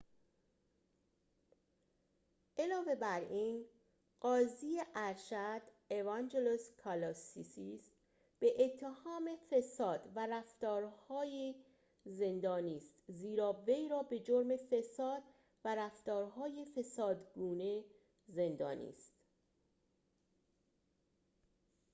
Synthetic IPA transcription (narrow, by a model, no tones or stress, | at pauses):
ʔelɒːve̞bæɾʔin | ɢ̥ɒːziːeʔæɾʃæd̪̥ | evɑnd͡ʒeloskʰɑlɑsisiːs | b̥e̞ʔet̪ʰːe̞hɒːme̞fe̞sɒːd̪væɾæft̪ɒːɾhɒːji | ze̞nd̪ɒːniːst̪ziːɾɒːve̞jɾɒːbe̞d͡ʒoɾme̞fe̞sɒːd̪ | væɾæft̪ɒːɾɦɒːjefe̞sɒːd̪ɡuːne̞ | ze̞nd̪ɒ̰ːnḭːst̪